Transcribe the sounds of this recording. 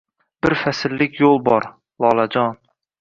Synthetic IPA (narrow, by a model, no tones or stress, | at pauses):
b̥ɪɾfasɪlːɪkʲʰjolˠbɒɾ | lˠɒlˠad͡ʒɒn